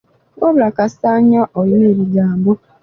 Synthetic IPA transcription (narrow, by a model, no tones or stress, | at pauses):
woβulakasaːɲaʔoineːɾiɡaːmbo